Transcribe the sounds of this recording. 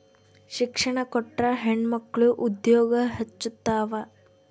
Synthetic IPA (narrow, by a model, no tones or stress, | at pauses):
ʃikʂɐɳɐkɔʈːɾɐɦeɳɖmɐkːɐɭuʔud̪jɔːɡɐɦɐt͡ʃːut̪ːaːʋɐ